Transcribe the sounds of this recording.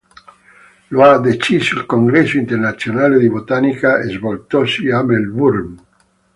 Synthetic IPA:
load̪et͡ʃisoilkoŋɡɾesoint̪ernat̪sjonaled̪ibot̪anikaezbolt̪osiamelbuɾm

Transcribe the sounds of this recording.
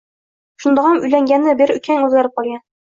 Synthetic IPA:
ʃund̪ɑʁɑmɵ̆jlæŋɡʲænːɘbɘɾɵ̆kæŋʉðɡæɾɘp̚qɒljɑ

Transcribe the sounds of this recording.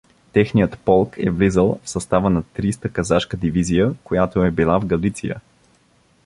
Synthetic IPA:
t̪ɛxnijət̪pɔlˠkʰɛ̰vlizəlˠfsɐst̪avənɐt̪ɾist̪əkɐzaʃkəd̪ivizijəkojat̪oɛbilˠavɡɐlit̪sijə̰

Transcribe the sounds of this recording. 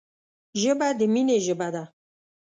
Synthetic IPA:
ʒəbad̪əmineʒəbad̪a

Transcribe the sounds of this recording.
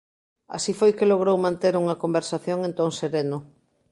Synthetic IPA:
a̰sifojkeloɣ̞ɾowmãnt̪eɾuŋɐkombeɾsaθjoŋẽnt̪oŋseɾenʊ

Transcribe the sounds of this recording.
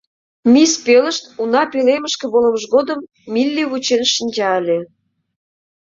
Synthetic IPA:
mispelə̆ʃt̪unɑpeleməʃkĕβolə̆məʒɣod̪əmː | ilʲːiβut͡ɕenʃənʲd͡ʑɑəlʲe

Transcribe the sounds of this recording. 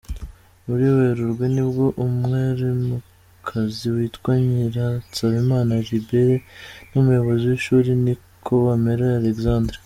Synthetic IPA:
βuɾiweɾuɾɡwenibɡo̞ʔumŋeɾimu | kʰaziwiːtwaɲiɾasaβimaːnaʒibeɾenumujo̞βo̞ziwiʃuːɾini | kʰo̞βameɾealekzaːndɾe

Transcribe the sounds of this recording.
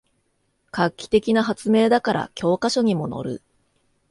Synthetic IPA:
kakʲːi̥t̪e̞kʲinaɦat͡sɨme̞ːd̪akaɾʔa̰kʲo̞ːkaɕo̞ɲ̟imo̞no̞̰ɾɯ̟̰

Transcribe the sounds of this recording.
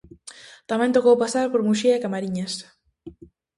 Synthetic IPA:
t̪amɛ̃nt̪okowpasaɾpoɾmuʃiaɪkamaɾiɲas

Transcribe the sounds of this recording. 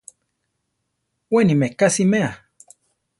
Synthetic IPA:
wenimekasimea

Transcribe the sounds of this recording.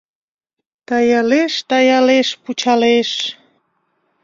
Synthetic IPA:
t̪ɑjɑleʃt̪ɑjɑleʃput͡ɕɑleʃ

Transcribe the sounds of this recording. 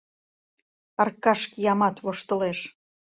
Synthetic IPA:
ɑrkɑʃkijɑmɑt̪βoʃt̪ə̆leʃ

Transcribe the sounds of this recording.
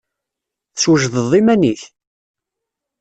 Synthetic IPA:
θswəʒðəðˤimæniθ

